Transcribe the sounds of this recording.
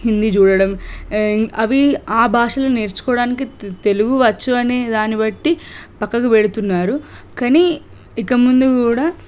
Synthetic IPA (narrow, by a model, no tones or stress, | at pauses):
hind̪it͡ʃuːɽɐɽɐm | ɐʋiaːbʱaːʂɐlɐneːɾt͡ʃu̥kɔːɽaːnik̬it̪e̞luɡuʋɐt͡ʃːuɐne̞ːd̪aːnibɐʈːipɐkːɐkuʋeɽut̪unːaːɾukɐniː | ikɐmund̪ukuːɽaː